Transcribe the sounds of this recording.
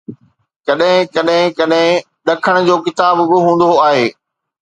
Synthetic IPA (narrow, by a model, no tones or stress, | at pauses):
kɐɗɦɪ̃kɐɗɦɪ̃kɐɗɦɪ̃ | ɗɐkʰəɽ̃ʊ̆d͡ʑoːkɪt̪aːbbɪɦũːn̆d̪oaːɦeː